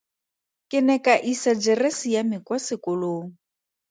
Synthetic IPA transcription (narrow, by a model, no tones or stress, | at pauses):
kʼɪnɛkʼaʔisad͡ʒɛresijamɪkwasɪkʊloːŋ̩